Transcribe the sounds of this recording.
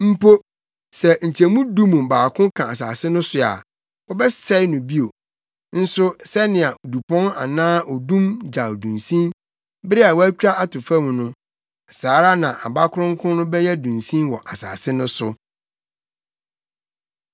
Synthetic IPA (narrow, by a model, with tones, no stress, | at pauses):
m̩˦pʰo˦ | sɛ˨ɲ̩˨t͡ɕʰɛ˨mũ˦dũ˦mũ˨baː˨kʰʊ̃˦kʰã˨a˨s̬aː˨sɪ˦nʊ̃˦sʊ˨a̰˨ | ɔ˦bɛ˦sɛ˦nʊ̃˨bi˦o˨ | n̩˦sʊ˦sɛ˦nɪ̃˨a˨du˨pʰɔ̃˦na̰˨nãː˦ɔ˨dũ˦md͡ʑa˨dũ˨nsĩ˦n | bɪ˦ɾɪ˦a˨wæ˦t͡ɕᶣa˦a˨tʰʊ˨fã˦mũ˨nʊ̃˦˨ | saː˨˦ɾa˦nã˨ʔa˨ba˦kʰʊ˦ɾʊ̃˦ŋ̩˦kʰʊ̃˦nʊ̃˦bɛ˦jɛ˦dũ˨nsĩ˦mwɔ˨ʔa˨sa̰ː˨sɪ˦nʊ̃˦sʊ̰˨